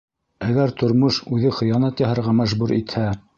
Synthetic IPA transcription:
æɡæɾt̪ʰŏɾmoʃʉðɘχɤ̆jɑnɑt̪jɑhɤ̆ɾʁɑmæʒbuɾit̪hæ

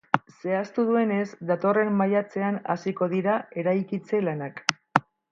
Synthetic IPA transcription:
se̞ast̪uðue̞ne̞sd̪at̪o̞re̞mːajat͡se̞ana̰siko̞ðiɾae̞ɾajkit͡se̞lanak

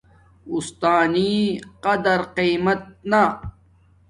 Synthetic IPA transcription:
ust̪aːniːqɐd̪ɐɾqiːmɐt̪̚na

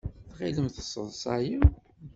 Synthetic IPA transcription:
θʁiləmθəsˤːə̰ðˤsˤɑji

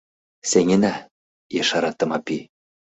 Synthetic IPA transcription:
seŋʲɘ̆næ | jeʃɑɾɑt̪ːɤ̆mɑpi

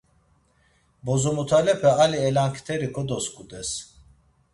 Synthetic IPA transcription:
bɔzɔmut̪ʰalɛpʰɛaliɛlaŋkʰt̪ʰɛɾikʰɔd̪ɔskʼud̪ɛs

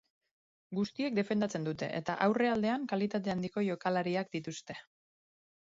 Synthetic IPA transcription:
ɡust̪ie̞k̚d̪e̞fe̞nd̪at͡se̞nd̪ut̪e̞̰ʔḛt̪aʔawre̞ald̪e̞aŋkalit̪at̪̬e̞and̪iko̞ʝo̞kalaɾiak̚d̪it̪ust̪e̞

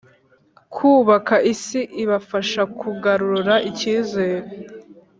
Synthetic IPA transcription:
kʰuːβakaʔisiʔiβafaʃakʰuɡaɾuɾuɾaʔiciːze̞ːɾe

